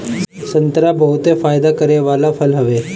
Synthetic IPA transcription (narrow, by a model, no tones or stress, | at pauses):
sənt̪ɾabəɦut̪efajd̪akəɾeʋalafəlɦəʋe